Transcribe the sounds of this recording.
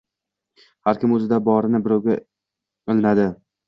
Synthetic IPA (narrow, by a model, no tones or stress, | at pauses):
haɾkʲʰɪmɵzɪd̪abɒɾɪnɪbɪɾɒwɡʲa | ɪlɪnad̪ɪ